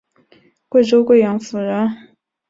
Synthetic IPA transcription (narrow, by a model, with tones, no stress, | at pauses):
kwe˥˩ɪʈ͡ʂo˥ʊkwe˥˩ɪjɑ˧˥ŋfu˨˩ɻə˧˥n